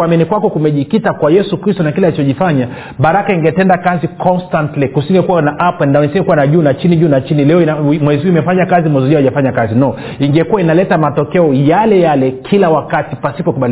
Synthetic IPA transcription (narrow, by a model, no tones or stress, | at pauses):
waminikwakɔkumɛʄikitakwajɛsukɾistɔnakilalit͡ʃɔʄifaɲa | ɓaɾakaiŋɡɛtɛndakazikʰɔnstantlikusiŋɡɛkuwanaʔapandanisiŋɡɛkuwanaʄunat͡ʃiniʄuːnat͡ʃinilɛɔiamwɛziuimɛfaɲakazimwɛziuʄaaʄafaɲakazinɔ | iŋɡɛkuwainalɛtamatɔkɛɔjalɛjalɛkʰilawakatipasipɔkuɓali